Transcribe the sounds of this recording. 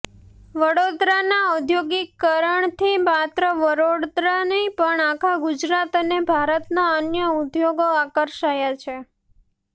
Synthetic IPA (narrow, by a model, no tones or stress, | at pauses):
ʋəɽod̪ɾanaud̪ʱjoɡikːəɾəɳt̪ʰimat̪ɾəʋəɾoɽd̪ɾanəipəɳakʰaɡud͡ʒɾat̪ənebʱaɾət̪naənjəud̪joɡoakəɾʃajat͡ʃʰe